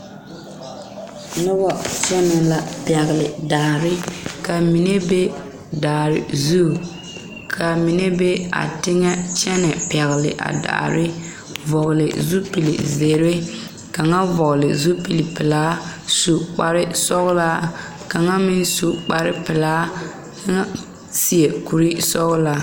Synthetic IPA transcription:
nʊ˦bɔ˨t͡ʃɛ˦nɛ˨la˨pɛ˨ɣlɪ˨daː˨ɾɪ˦ka˨mi˨ne˦be˦ | daː˨ɾɪ̰˨zu˦ | kʰa˨mi˨ne˦be˦a̰˨tɪ˦ŋɛ˦t͡ʃɛ˦nɛ˨pɛ˨ɣlɪ̰˨ʔa̰˨da̰ː˨ɾɪ˦ | vɔ˨ɣlɪ̰˨zu˦pi˨lḭ˨ze˨ɾe˦ | ka˨ŋa˦vɔ˨ɣlɪ˨zu˦pi˨li˨pɪ˨laː˦su˨k͡pa˨ɾɪ˦sɔ˦ɣla˦ | ka˨ŋa˦mɪ˦nsu˨k͡pa˨ɾɪ˦pɪ˨laː˦ | ŋa˦ | si˦e˨ku˨ɾi˦sɔ˦ɣla˦

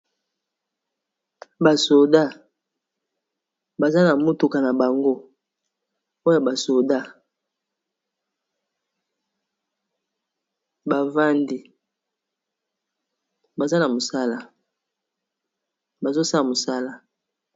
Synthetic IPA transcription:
ba˨so˨da˦˨ | ba˨za˦na˨mo˦tu˨ka˨na˨ba˨ŋɡo˦ | o˦ja˨ba˨so˨da˦ | ba˨va˦ndi˨ | ba˨za˦na˨mo˨sa˦la˦˨ | ba˨zo˦sa˦la˨mo˨sa˦la˦

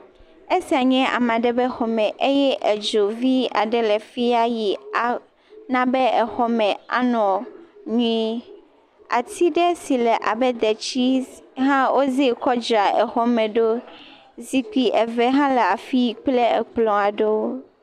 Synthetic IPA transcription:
e˦si˨a˨ɲɛ̃˦a̰˨mã˨ɖɛ˦bɛ˦xɔ˨mɛ̃˨ʔe˦jɛ˦ʔɛ˨d͡ʒo˨vi˦a̰˨ɖɛ˨lɛ˨fi˦a˦ji˨a˨ | nã˦bɛ˦ɛ˨xɔ˦mɛ̃˨a̰˦nɔ̃˨ɲũ˦i˦ | a̰˨t̪ʰi˦ɖɛ˦si˨lɛ˨ʔa̰˨bɛ˦d̪ɛ˨t͡ɕi˦ɦã˦wo˦ze˦kɔ˦d͡ʒɾa˨ɛ˨xɔ˦mɛ̃˨ɖo˦ | zi˨ki˨ʔɛ˨vɛ˦ɦã˦lɛ˨a˨fi˦i˨k͡ple˦ɛ̰˨k͡plɔ̃˨a˨ɖe˦o˦

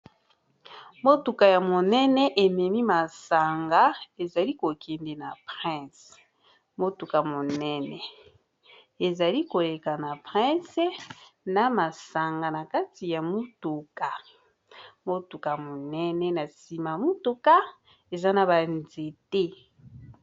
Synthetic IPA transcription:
mo˦tu˨ka˨ja˨mo˨nɛ˦nɛ˦ʔe˨mɛ˨mi˦ma˨sa˨ŋɡa˨˦e˨za˨li˦ko˨kɛ˨nde˨na˨pʁɛ̃˦˨s | mo˦tu˨ka˨mo˨nɛ˦nɛ˨ | e˨za˨li˦ko˨le˨ka˨na˨pʁɛ̃˦sna˨ma˨sa˨ŋɡa˨na˨ka˦ti˨ja˨mo˦tu˨ka˨ | mo˦tu˨ka˨mo˨nɛ˦nɛ˦na˨si˨ma˨mo˦tu˦ka˦ | e˨za˦na˨ba˨nze˨te˦

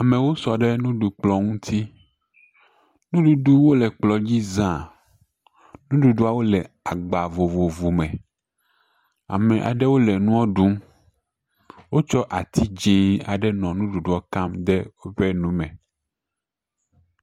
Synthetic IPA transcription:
a˨mɛ̃˨wo˦sɔ˨ɖɛ˦nũ˦ɖu˨k͡plɔ˦ŋũ˦t̪ʰi˦ | nũ˦ɖu˦ɖu˦wo˦lɛ˨k͡plɔ˨d͡ʑi˦zã˦˨ | nũ˦ɖu˨ɖu˦a˦˨wo˦lɛ˨a˨ɡ͡ba˨vo˨vo˨vu˨mɛ̃˨ | a̰˨mɛ̃˨ʔa̰˨ɖɛ˦wo˦lɛ˨nũ˦ɔ˦ɖu˦m | wo˦t͡ʃɔ˦ʔa˨t̪ʰi˦d͡ʒĩ˦a˨ɖɛ˦nɔ̃˨nũ˦ɖu˨ɖu˦ɔ˨˦ka˦md̪ɛ˦wo˦ɸɛ˦nũ˦mɛ̃˨

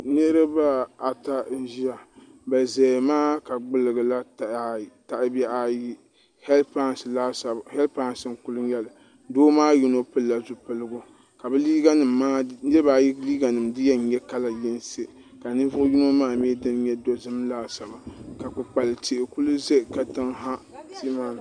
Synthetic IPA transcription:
nɨ˦ɾɨ˦ba˦a˨ta˦n̩˨˦ʒi˦a˨ | ba˨zɛ˨maː˦ka˨ɡ͡bɨ˨lɨ˨ɡɨ˨la˦tta˨ʔbɛ˦ʔa˨ji˦ | hɛ˦lpa˦nsla˦sa˨hɛ˦lpa˦n˨sɨ˨ŋ˨ku˦lʊ˦jɛ˦lɨ˨ | doː˦maː˦ju˦no˦pɨ˦lːa˨zu˨pɨ˦lɨ˦ɡo˦ | ka˨bɛ˦li˦ɡa˦nɨ˨mːaː˦nɨ˦lba˦ji˦liː˦ɡa˨nɨ˨mdɨ˦jɛ˦n˨˦ɲɛ˦ka˦la˨jɪ˦n˦se˦ | ka˨nɨ˦vʊ˦ʔʊ˦ju˦no˦maː˦m˦ɛ˦dɨ˦n˦ɲɛ˦do˦zɨ˦mlaː˦sa˨ba˨ka˨k͡pɨ˨k͡pa˨lɨ˨tʰi˨ʔɪ˨ku˦lu˦ze˦˨ka˨tɨ˦ŋɦa˦ti˦ma˦˨n˨

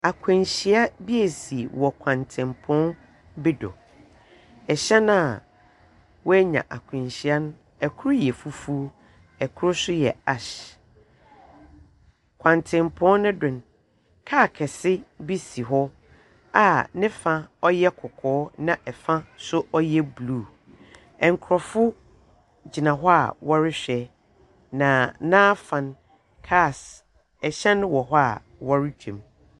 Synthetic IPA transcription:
a˨kʰʊ̃˨nɕi˨a˦bi˦e˨si˨wɔ˨kʷʰã˨ntʰɪ̃˨mpʰɔ̃˦n | bɪ˦dɔ̰˨ | ɛ˨ɕɛ˦nã˦˨ | wɔ˦æ˦ɲã̰˨ʔa˨kʷʰɪ̃˨nɕi˨a˦nʊ̃˦ | ɛ˨kʰʊ˦ɾʊ˦jɛ˨fu˦fu˦o˦ | ɛ˨kʰʊ˦ɾʊ˦sʊ˦jɛ̰˨a˨ɕ | kʷʰã˨ntʰɪ̃˨mpʰɔ̃˦nːʊ̃˦dʊ̃˨n˨ | kʰaː˦˨kʰɛ˨sɪ˦bi˦si˨ɦɔ˦ | a˨nɪ̃˦fã˦ɔ˦jɛ˦kʰʊ˨kʰɔː˨˦nã˦ʔɛ˨fã˦sʊ˦ʔɔ˦jɛ˦bluː˦˨ | ɛ̃˨ŋ˨kʰɾɔ˨fʊ˦ | d͡ʑi˨nã˨ɦɔ˦a̰˨wɔ˦ɾɪ˦ɕᶣɛ˨ | nã˨nãː˦fã˨n | kʰa˦˨s | ɛ˨ɕɛ˦nʊ̃˦wɔ˨ɦɔ˦a˨ | wɔ˦ɾɪ˦d͡ʑᶣḛ̃˨m

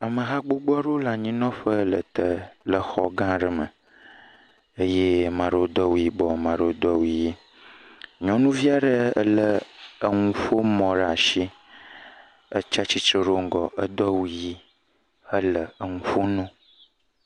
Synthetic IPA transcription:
ə˨mə˨ɦa˦ɡ͡bo˦ɡ͡bɔ˦ɖo˦la˨ɲĩ˦nɔ̃˦ɸə˦lə̰˨t̪ə˨lə˨xɔ̰˦ɡã˦ɖə˨mə̰˨ | e˦je˦mã˨ɖo˦o˦d̪ɔ˦wu˨ji˦bɔ˨mã˨ɖə˦o˦d̪ɔ˦wu˨ji˦ | ɲɔ̃˦nũ˦vi˦a˦ɖə˦ə˦lə˦ə˨ŋũ˨ɸo˦mɔ̃˨ɖa˨ʃi˦ | ə˦t͡ʃa˦t͡ɕi˦t͡ʃɾe˦ɖo˦ŋ˦˨ɡɔ˨ʔə˦d̪ɔ˦wu˦˨ji˦ | ə˦lə˨ə˨ŋũ˨fo˦nɔ̃˦

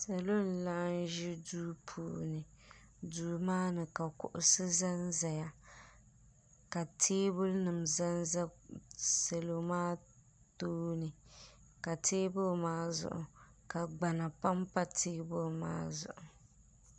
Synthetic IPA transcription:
sa˨lo˦n̩˨la˦n˦ʒɪ˦duː˦pʰuː˨nɨ˨ | duː˨˦maː˦nɨ˨ka˨kʊ̰˨ʔʊ˨sɨ˦za˦nza˨ja˦ | ka˨tʰeː˦bʊ˦lnɨ˨mza˦nza˦ | se˨lo˦maː˦ | toː˦nɨ˨ka˨tʰeː˦bʊ˦˨maː˦zʊ̰˨ʔʊ̰˨ka˨ɡ͡ba˨na˨pa˦mpa˦tʰeː˦bʊ˦lma̰ː˦zʊ̰˨ʔʊ˨

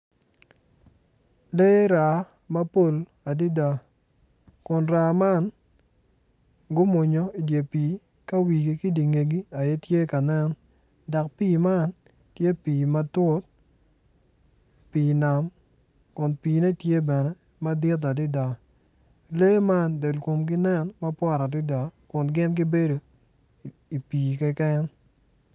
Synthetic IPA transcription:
le˦ɾa˨ | ma˦po˦˨l | a˨di˦da˨ | kʊ˨nɾa˨ma˦n | ɡʊ˦mo˨ɲo˨˦i˨dje˨piː˨˦ | ka˦wi˨ɡi˨kɪ˦di˨ŋe˨ɡi˦a˨jɛ˦tje˦ka˨nɛ˦n | da˨k̚piː˦˨ma˦˨n | tje˦piː˨ma˦tʊ˦t̚ | piː˨na˨m | kʊ˨npiː˨nɛ˦tje˦bɛ˨nɛ˦ | ma˦dɪ˦t̬a˨dɪ˦da˨ | le˦ma˦nde˨lko˨mk̬ɪ˦nɛ˦nma˦pwɔ˦˨ɾa˨dɪ˦da˨kʊ˨nɡɪ˦nk̬ɪ˦be˦do˨ | i˨piː˨kɛ˦kɛ˦n

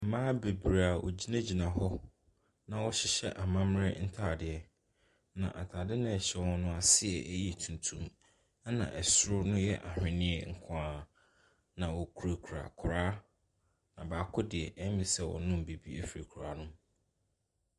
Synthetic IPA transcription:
m̩˨mãː˦be˨bɾa˨wʔɔ̰˨d͡ʑi˦nã˦d͡ʑi˨nã˨ɦɔ˦ | nã˨wɔ˦ɕɪ˦ɕɛ̰˦ʔa˨mã˦m˦ɾɪ˦n̩˦tʰa˨dɪ˨ɛ˦ | nã̰˨ʔa̰˨tʰa˨dɪ˦nʊ̃˦ɛ˨ɕɛ˦wɔ̃˦nʊ̃˦a˨sɪ˦ɛ˨ʔji˦˨tʰũ˨n˨tʰũ˦m | a˦nã̰˨ʔɛ˨sʊ˦ɾʊ˦nʊ̃˦jɛ˦ʔa̰˨hᶣɪ̃˨nɪ̃˦ɛ˦ŋ̩˦˨kʰã˦a˨ | nã˨wɔ˨kʰu˨ɾa˨kʰu˨ɾa̰˨kʰʊ˨ɾaː˦ | nã˨baː˨kʰʊ˦dɪ˨ɛ˨ʔɛ˦mɪ̃˨sɛ˦wɔ̰˨nʊ̃˦m̩˨be˨bi˦ɛ˦fi˨ɾe˨kʰu˨ɾa˨nʊ̃˦m

